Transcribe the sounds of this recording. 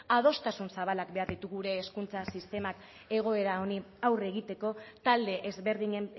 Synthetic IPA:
að̞o̞st̪asunsaβ̞alakbe̞aɾðit̪uɣuɾe̞ːskunt͡sasist̪e̞mak | e̞ɣ̞o̞e̞ɾaoniawre̞ɣit̪e̞ko̞t̪ald̪e̞ʔezβe̞ɾðiɲe

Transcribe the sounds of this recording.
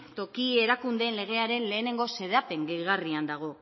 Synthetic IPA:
t̪o̞kie̞ɾakund̪e̞nle̞ɣ̞e̞aɾe̞nle̞ːne̞ŋɡo̞se̞ðape̞ŋɡejɣariand̪aɣ̞o̞

